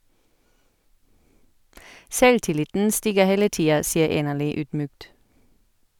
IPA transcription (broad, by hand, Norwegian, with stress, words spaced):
ˈsɛltɪˌlɪtn̩ ˈstiːɡəʁ ˈheːlə ˈtiːɑ ˈsiːəʁ ˈeːnəʁˌlyː ˈyːdˌmyːkt